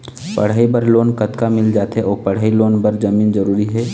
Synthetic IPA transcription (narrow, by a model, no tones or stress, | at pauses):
pə̰ɽ̤aːibəɾloːnkət̪kamɪld͡ʒaːt̪ɦɛʔɔːpəɽ̤aːiloːnbəɾd͡ʒəmiːnd͡ʒəɾuːɾiɦɛː